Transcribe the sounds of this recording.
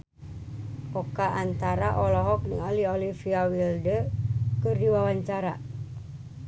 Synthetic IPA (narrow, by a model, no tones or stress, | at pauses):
ʔɔkaʔant̪aɾaʔɔlɔɦɔk̚nəŋaliolifiawildəkɨrdiwawaɲt͡ʃaɾa